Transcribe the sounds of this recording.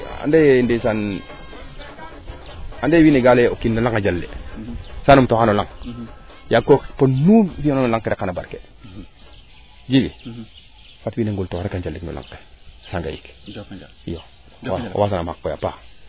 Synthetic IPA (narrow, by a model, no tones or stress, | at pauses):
a̰ndendesan | andewiːneɡaleokinːolaŋad͡ʒalːḛsanumtohanolaŋ | jakːokponufiononolaŋkeɾekanaba̰ɾke | d͡ʒiɡi | fatwiːneŋɡultoɾekand͡ʒalːiknṵla̰ŋke̥ | saŋɡa̰jḭk | ijo̰ | was̬anamakːoja̰pa